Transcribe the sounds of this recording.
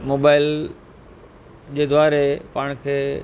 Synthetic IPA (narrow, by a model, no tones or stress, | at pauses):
moːbaːɪl | d͡ʑeːd̪waːɾepaːɽ̃kʰeː